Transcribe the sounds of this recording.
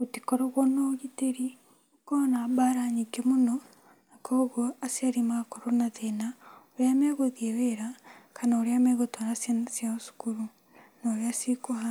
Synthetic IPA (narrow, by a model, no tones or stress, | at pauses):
otikoɾoɣwonoɣiteɾi | konaβaɾaɲikemono | nakoːɣoasiaɾimakoɾonaðenaoɾjameɣoðieweɾakʰanaoɾeameɣotoɾassjaosu̥kuɾu | noɾjasikoha